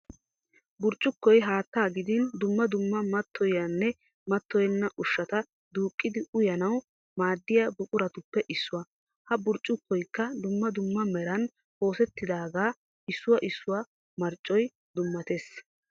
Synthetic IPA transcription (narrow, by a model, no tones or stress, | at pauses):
bʊɾt͡ʃʼːʊkːɔjɦaːt̪ːaːɡɪd̪ɪnd̪ʊmːɐd̪ʊmːɐmɐt̪ːɔjɐnːɛ | mɐt̪ːɔjɛnːɐʔʊʃːɐt̪ɐ | d̪uːkʼːɪd̪ɪʊjɐnɐw | maːd̪ːɪjabʊkʼʊɾɐt̪ʊpːɛʔɪsːʊwɐ | hɐbʊɾt͡ʃʼːʊkːɔjkːɐd̪ʊmːɐd̪ʊmːɐmɛɾɐn | ho̞ːsɛt̪ːɪd̪aːɡaː | ɪsːʊwɐʔɪsːʊwɐ | mɐɾt͡ʃʼːɔj | d̪ʊmːɐt̪es